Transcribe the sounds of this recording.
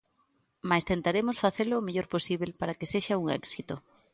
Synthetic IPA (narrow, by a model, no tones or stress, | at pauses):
majst̪ent̪aɾemʊsfaθelʊːmeʎoɾposiβ̞elpaɾakeseʃauŋɛ̰ksit̪o